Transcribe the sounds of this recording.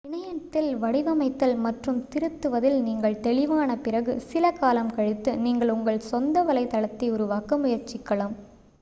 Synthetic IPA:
ɪɳɐjɐt̪ːɪlʋɐɽɪʋɐmɐɪt̪ːɐlmɐʈrɯmt̪ɪɾɯt̪ːɯʋɐðɪlniːŋɡɐɭt̪ɛɭɪʋaːnɐpɪɾɐɣɯsɪlɐkaːlɐmkɐɻɪt̪ːɯniːŋɡɐɭʊŋɡɐɭsɔnd̪ɐʋɐlɐɪt̪ɐɭɐt̪ːiɔɾɯʋaːkɐmʊjɐɾt͡ʃːɪkːɐɭɐm

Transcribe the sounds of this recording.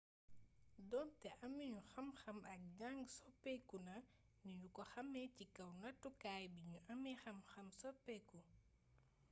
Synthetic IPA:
dɔntɛʔɐmiɲuxɐmxɐmɐk̚ɲaŋɡsɔpːɛkunɐ | niɲukɔxɐmɛcikɐwnɐtːukaːjbiɲuʔɐmixɐmxɐmsɔpːɛku

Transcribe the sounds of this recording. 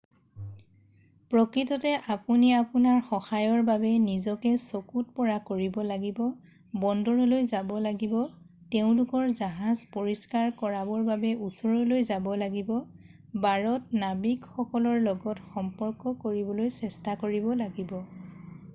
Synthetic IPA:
pɹɔkɹitɔtɛʔapuniapunaɹxɔxajɔɹbabɛnizɔkɛsokut̚pɔɹakoɹibɔlaɡibɔ | bɔndɔɹɔlojzabɔlaɡibɔ | teʊ̃lʊkɔɹzaɦazpoɹiskaɹkɔɹabɔɹbabɛusɔɹɔlojzabɔlaɡibɔ | baɹɔt̚nabikxɔkɔlɔɹlɔɡɔtxɔmpɔɹkɔkoɹibɔlojsɛstakoɹibɔlaɡibɔ

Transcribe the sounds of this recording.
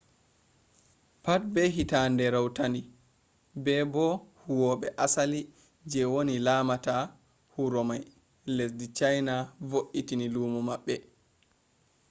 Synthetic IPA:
pat̚bɛɦitandɛɾawtani | bɛbɔhuwɔɓɛʔasali | d͡ʒɛwonilaːmata | huɾɔmaj | lesdit͡ʃajnavoʔitiniluːmumaɓːɛ

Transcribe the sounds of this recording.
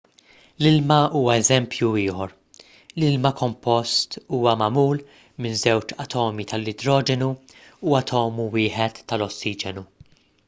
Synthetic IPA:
lɪlmɐuːɐɛzɛmpjuɪːħɔɾ | lɪlmɐkʰɔmpɔst̪uːwɐmɐmuːl | mɪnzɛwt͡ʃɐt̪ʰɔːmit̪ʰɐlːɪd̪ɾɔːd͡ʒɛnuuɐt̪ʰɔːmuwɪːħɛt̪ːɐlɔsːiːd͡ʒɛnu

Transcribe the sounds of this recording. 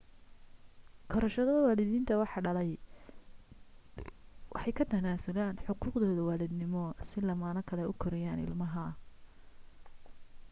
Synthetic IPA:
kʰɔɾɔʃɐðɐɐwaːlɪðiːnt̪ʰɐwɑħɑɖɐlɛj | wʔɑ̰ħɑjkʰɐt̪ʰɐnaːsʊlaːnħʊquːqd̪ɔːðɐwaːlɪd̪nɪmɔsɪlɐmaːnɐkʰɐlɛʔʊkʰɔɾɛjaːnɪ̰lmɐɦɐ

